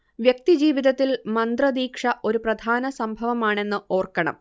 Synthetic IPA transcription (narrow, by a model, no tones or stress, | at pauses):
ʋjɐk̚t̪id͡ʑiːʋiðɐt̪ːilmɐnd̪rɐd̪iːkʂɐʔo̞ɾuprɐd̪ʱaːnɐsɐmbʱɐʋɐmaːɳe̞nːɨo̞ːrkɐɳɐ̰m